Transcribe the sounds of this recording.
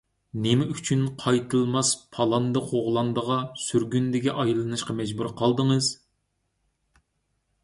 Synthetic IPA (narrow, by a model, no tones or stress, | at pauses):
nɪmɛyt͡ʃʰynqʰɑjt̪ʰɨlˠmɑspʰɑlˠɑnd̪ɑχoʁlˠɑnd̪əʁɑsyɾɡʲynd̪ɪɡʲɛʔɑjlˠːɨnɨʃqɑmɛd͡ʒbuɾqʰɑlˠd̪əŋɨz̥